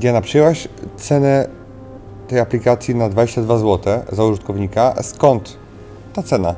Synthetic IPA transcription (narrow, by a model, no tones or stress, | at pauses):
ɡʲjanapʂɛjɛwaɕt̪sɛnɛ | t̪ɛjaplʲikat̪sʲjinad̪vad͡ʑeɕt͡ɕad̪vazwɔt̪ɛzauʐɨt̪kɔvɲikaskɔnt̪ː | at̪sɛna